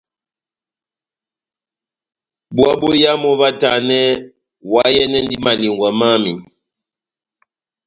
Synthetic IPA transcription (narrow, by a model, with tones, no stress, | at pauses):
bwa˦bo˦ja˦mɔ˦va˦ta˨nɛ˦ | wa˦jɛ˦nɛ˦n˦di˦ma˨li˨ŋɡwa˨ma˦mi˨